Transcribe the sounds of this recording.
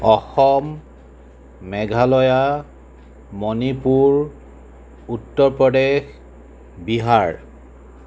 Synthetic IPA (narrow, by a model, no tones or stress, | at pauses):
ɔxɔm | ɛɡʱalɔja | mɔnipuɹ | utːɔɹpɹɔdex | biɦaɹ